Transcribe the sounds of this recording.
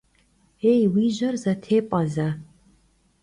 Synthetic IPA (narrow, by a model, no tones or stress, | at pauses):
ejwiːʑɐrzɐtʰeːpʼɐzɐ